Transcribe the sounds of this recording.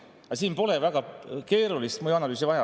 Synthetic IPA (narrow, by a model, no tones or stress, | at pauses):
ɑsiːnpo̞le̞væɡ̥ɑke̞ːɾulist̪mojuɑnɑlyːs̬ivɑjɑ